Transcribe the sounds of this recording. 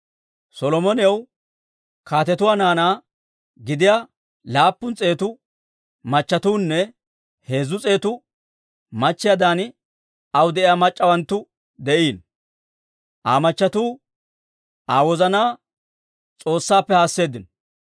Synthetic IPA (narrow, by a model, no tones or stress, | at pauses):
sɔlɔmɔnɪjɐw | kʰaːt̪ɛt̪ʊwaːnaːnaː | ɡɪd̪ɪja | laːpːʊnt͡sʼe̞ːt̪ʊ | mɐt͡ʃːɐt̪uːnːɛ | he̞ːzʊt͡sʼe̞ːt̪ʊ | mɐt͡ʃːɪjad̪aːn | ɐwd̪ɛʔɪjaːmɐt͡ʃʼːɐwɐnt̪ːʊ | d̪ɛʔiːn | ʔa̰ːmɐt͡ʃːɐt̪uː | aːwɔzɐnaː | t͡sʼo̞ːsːaːpːɛhaːsːe̞ːd̪ɪn